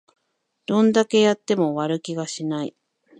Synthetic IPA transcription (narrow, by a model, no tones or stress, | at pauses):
d̪̥õ̞nd̪ake̞jat̪ːe̞mo̞βaɾɯ̟kʲiɡaɕinaḭ